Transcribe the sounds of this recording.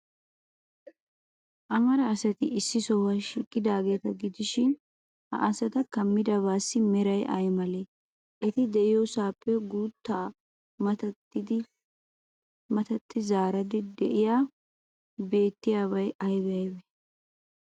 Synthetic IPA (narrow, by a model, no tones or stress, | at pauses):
ʔɐmɐɾɐːsɐt̪ɪʔɪsːɪsɔwɐʃiːkʼːɪd̪aːɡe̞ːt̪ɐɡɪd̪ɪʃɪn | hɐ̰ʔɐsɐt̪ɐkɐmːɪd̪ɐβaːsːɪmɛɾɐjʔɐ̰jmɐleː | ʔɛt̪ɪd̪ɛʔɪjoːsaːpʼːɛɡuːt̪ːa | mɐt̪ɐ | ɪd̪ɪ | mɐt̪ɐt̪ːɪzaːɾɐd̪ɪd̪ɛʔɪjaː | be̞ːt̪ːɪjaːβɐjɐjbɛɐjbɛ